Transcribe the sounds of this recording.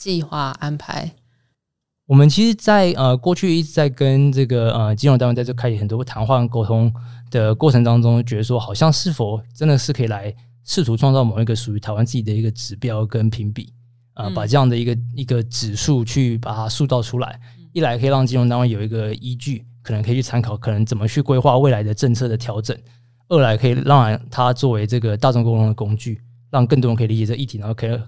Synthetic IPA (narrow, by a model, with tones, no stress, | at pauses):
t͡ɕi˥˧xwa˥˩a˥npʰa˧˦ɪ | wɔ˨˩mə˦nt͡ɕʰi˧˥ʂɻ̩˧˥t͡sa˥˧ɪʔə˧kwɔ˥˧t͡ɕʰy˥˧i˥˩ʈ͡ʂɻ̩˧˥t͡sa˥˩ɪkə˦nʈ͡ʂɤ˥˩ɡə˩ə˩t͡ɕi˥nɻt̪kʰa˥ʂ̩˨˩xə˨˩nt̪wɔ˥t̪ʰa˧˥nxwa˥˧nko˥ʊt̪ʰʊ˥ŋd̪̥ə˨kwɔ˥˩ʈ͡ʂʰɤ˧˥ŋt̪ɑ˥ŋʈ͡ʂʊ˥ŋt͡ɕɥɛ˧˥d̪ə˧ʂ̬wɔ˥xɑ˨˩ʊɕjɑ˥˧ŋʂɻ̩˥˩fo˨˩ʊʈ͡ʂə˦˥nd̪ə˨ʂɻ̩˥˩kʰɤ˧˥i˨˩la˧˥ɪ | ʂɻ̩˥˩t̪ʰu˧˥ʈ͡ʂʰwɑ˥˧ŋt͡sɑ˥˩ʊmo˨˩˧i˧˥ɡə˧ʂu˨˩y˧˥t̪ʰa˧˥ɪwa˥nt͡sɹ̩˥˩t͡ɕi˨˩d̪ə˩i˧˥ɡə˧ʈ͡ʂɻ̩˨˩pjɑ˥ʊkə˦npʰi˧˥ŋpḭ˨˩˦ | ə˧pa˨˩ʈ͡ʂɤ˥˧jɑ˥˩ŋd̪ə˩i˧˥ɡə˧i˧˥ɡə˧ʈ͡ʂɻ̩˨˩ʂu˥˧t͡ɕʰy˥˩pa˨˩t̪ʰa˥su˥˧t̪ɑ˥˩ʊʈ͡ʂʰu˥la̰˧˥˦ɪ | i˥˩la˧˥ɪkʰɤ˧˥i˨˩ɻɑ˥˩ŋt͡ɕi˥no˧˥ŋt̪ɑ˥ŋɻa˥njo˨˩ʊi˧˥ɡə˧i˥t͡ɕy˥˩kʰnə˧˦ŋkʰi˨˩t͡ɕʰy˥˩t͡sʰa˥nkʰɑ˨˩ʊkʰɤ˨˩nə˧˦˥ŋt͡sə˨˩mə˦t͡ɕʰy˥˩kwe˥ɪxwa˥˧we˥ɪla˧˥ɪd̪ə˧ʈ͡ʂə˥˧ŋt͡sʰɤ˥˩d̪ə˩t̪ʰjɑ˧˥ʊʈ͡ʂə˨˩˦n | ə˥˩la˧˥ɪkʰɤ˧˥i˨˩ɻɑ˥˩ŋɻa˧˥t̪ʰa˥t͡swɔ˥˩we˧˥ɪʈ͡ʂɤ˥˩ɡə˩t̪a˥˧ʈ͡ʂŋko˥ʊt̪ʰo˧˥ŋd̪ə˩kʊ˥ŋt͡ɕy˥˩ | ɻɑ˥˧ŋkə˥˩t̪wə˧kʰɤ˧˥i˨˩li˧t͡ɕɛ˨˩ɤ˥˩ə˧i˥˩i˧˥o˥˩kʰː